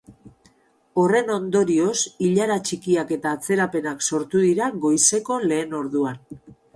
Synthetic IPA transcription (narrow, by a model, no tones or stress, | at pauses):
o̞re̞no̞nd̪o̞ɾio̞siʎaɾat͡ʃikiake̞t̪aːt͡se̞ɾape̞nakso̞ɾt̪uðiɾaɣo̞jse̞ko̞le̞ːno̞ɾðuan